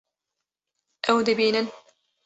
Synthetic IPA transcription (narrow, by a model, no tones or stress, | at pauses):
ʔɐwd̪ɨbiːnɨn